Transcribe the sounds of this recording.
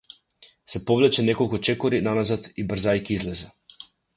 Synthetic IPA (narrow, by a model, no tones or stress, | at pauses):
sɛpɔvlɛt͡ʃɛnɛkɔlˠkut͡ʃɛkɔɾinanazat̪ibr̩zajkiizlɛzɛ